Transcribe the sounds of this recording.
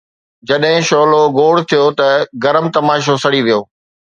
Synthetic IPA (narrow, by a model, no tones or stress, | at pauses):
d͡ʑɐɗɦɪ̃ʃoːloɡoːɽt̪ʰijot̪ɐɡɐɾəmt̪ɐmaːʃ̬osɐɽiʋijoː